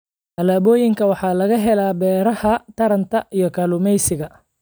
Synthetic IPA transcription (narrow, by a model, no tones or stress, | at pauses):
ʔɐlaːβɔːjɪŋkʰɐwɑħɑːlɐɣɐɦɛlaːbɛːɾɐhɐt̪ʰɐɾɐnt̪ʰɐʔijɞkʰɐlʊmɛjsɪɣɐ